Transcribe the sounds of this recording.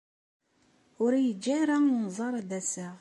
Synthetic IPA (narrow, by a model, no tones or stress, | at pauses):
ʊɾjəd͡ʒːaɾanzˤɑɾˤðæsəʁ